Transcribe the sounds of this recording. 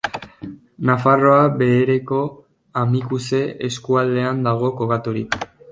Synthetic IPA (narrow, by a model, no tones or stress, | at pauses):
nafaro̞aβe̞ːɾe̞ko̞ | amikuse̞eskuald̪e̞and̪aɣ̞o̞koɣat̪oɾik